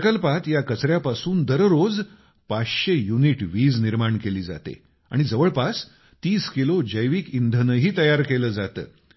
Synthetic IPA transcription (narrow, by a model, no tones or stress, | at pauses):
kəlpat̪jakət͡sɾjapasuːnd̪əɾɾod͡z | pasɕejuniʈʋiːd͡zniɾmaɳkeliːd͡za̰t̪ḛ | a̰ɽ̃id͡zəʋəɭpas | t̪iːskilod͡ʑəjʋiːkind̪ʱənəɦiːt̪əjaɾkeləːd͡zat̪ə̰ː